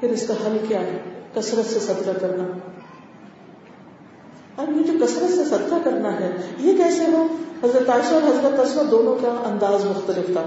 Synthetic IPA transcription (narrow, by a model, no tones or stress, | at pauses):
pɪɾɪsk̪eɦɐlkjaːɦɛkɐsɾət̪sesɐd̪kakɐɾna | ɐɾjẽd͡ʒokɐsɾət̪sesɐd̪kakɐɾnaɦɛjekɛːseʋoɦɐzɾət̪aːɪʃɔːɾɦɐzɾət̪ɐsmad̪oːnõkaʔɐ̃nd̪aːzmʊxt̪əlɪft̪ʰaː